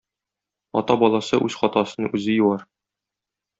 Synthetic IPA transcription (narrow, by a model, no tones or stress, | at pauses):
ɒ̰t̪ɑbɒlˠɑsɤʔʉz̥χɒt̪ɑsɤ̆nɤʉzɘjŭwɑɾ